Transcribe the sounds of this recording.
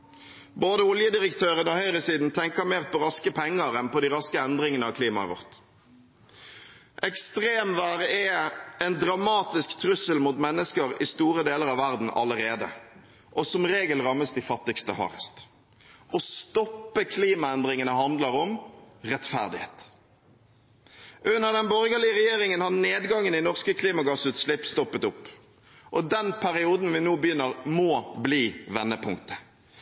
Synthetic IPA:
boːd̪əʊljəd̪ɪɾəkt̪ʰøːʁənɔhœʏɾəsiːd̪n̩t̪ʰɛŋkəmeːʁpʰɔɾɑskəpʰɛŋːəɾɛnpɔd̪ɪɾɑskəɛnd̪ʁɪŋənəɑʋkʰliːmɑə̰ʋɔ̰ʁt̪ | ʔɛkst̪ʁeːmʋæːʁəʔɛɛnd̪ʁɑmɑːt̪ɪskt̪ʰɾʉsəlmuːt̪mɛnːəskəɾɪst̪uːʁəd̪eːləʁɑʋʋæʁd̪n̩ʔɑ̰ləɾeːd̪ə̰ | ʔɔsɔmʁeːɡəlʁɑmːəsd̪ɪfɑt̪ːɪkst̪əhɑ̰ːʁə̰st̪ | ɔst̪ɔpːəkʰliːmɑɛnd̪ʁɪŋənəhɑnd̪ləɾɔmʁɛt̪fæ̰ʁd̪ɪhḛːt̪ | ʔʉnːəʁd̪ɛnbɔʁɡəlɪəʁɛjeːʁɪŋənhɑʁneːd̪ɡɑŋːənɪnɔʁskəkʰliːmɑɡɑsʉːt̪slɪpːst̪ɔpːət̪ʊpː | ʔɔd̪ɛnpʰæɾɪuːd̪n̩ʋɪnoːbəjʏnːəʁmɔːbliːʋɛnːəpʰʊŋkt̪ə̥

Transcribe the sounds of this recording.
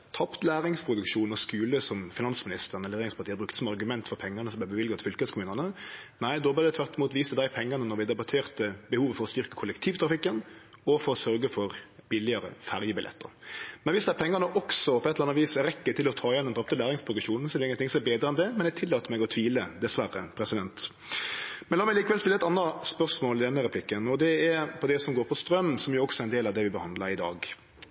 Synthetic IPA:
t̪ʰɑpt̪læːʁɪŋspʰɾʊd̪ʉkʃuːn̩ɔskʉːləsɔmfɪnɑnsmɪnɪst̪əɾnɛleɾɪŋspʰɑʁt̪iːəbɾʉkt̪ə̥sɔmɑʁɡʉmɛnt̪fɔɾpʰɛŋːɑnəsɔmb̪æbɛʋɪlɡət̪ʰfʏlkəskʰʊmʉːnənənæɪd̪ɔːblɛd̪ɛt̪ʰʋæɾt̪ɪmuːt̪ʋiːst̪əd̪æɪpʰɛŋːɑnənɔɾʋɪd̪ɛbɑt̪ʰeːʁt̪əbəhuːʋəfɔɾɔst̪ʏɾkəkʰʊlːɛkt̪ʰiːʋt̪ʰɾɑfɪkːənɔfɔɾɔsœɾɡəfɔʁbɪlɪəɾə̰fæɾjəbɪlʔɛ̰t̪ːə̰ɾmɛnʋɪsd̪ɛæɾpʰɛŋːənəʔɔksɔpʰɔɛt̪ləɾɑnʋiːsɛɾɛkːət̪ʰɪlɔt̪ʰɑːɪjɛnd̪ɛnb̪ɑp̚t̪əlæːɾɪŋspʰɾʊɡɪʂuːnn̩sɛlːɪŋənt̪ʰɪŋsɔɛɛbeːd̪ɾəɛnd̪ɛmɛnɛæt̪ʰɪlːɑːt̪əmɛɡɔt̪ʰʋiːləd̪ɛsʋæɾə̰pʰɾɛsɪd̪ɛnt̪ | mɛnlɑːmɛɡliːkəʋɛlst̪ɪlːɛt̪ɑnːɑspœʁsmoːlɪd̪ɛnːəɾɛpʰlɪkːənɔd̪ɛæɾpʰɔd̪ɛsɔmɡoːɾpʰɔst̪ɾœmsɔmjʊɾɔksɔæɾɛɪnd̪eːlɑʋd̪ɛʋɪbəhɑnd̪ləɾɪd̪ɑ̰ːɡ

